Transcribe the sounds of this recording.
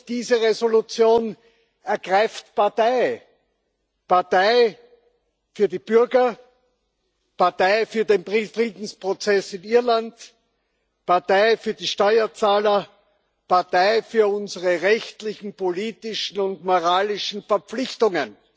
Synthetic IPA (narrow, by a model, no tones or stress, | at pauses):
d̥iːzəʁezolut͡sjoːn | ɛɐɡʁaɪftpaɐtaɪ | paɐtaɪ | fyːɐdib̥ʏɐɡɐ | paɐtaɪfyːɐdeːnfʁifʁiːdn̩spʁ̥ot͡sɛsɪniɐlant | paɐtaɪfyːɐdiːʃtɔʏɐt͡saːlɐ | paɐtaɪfyːɐʊnzəʁəʁɛçtlɪçn̩poliːtɪʃn̩ʊntmoʁaːlɪʃn̩fɛɐp͡flɪçtʊŋən